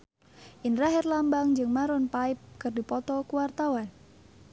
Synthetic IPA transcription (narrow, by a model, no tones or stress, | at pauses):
ʔɪnraɦɛrlambaŋd͡ʒɨŋmaɾʊnpaɪp̚kɨrdipɔt̪ɔkuwart̪awan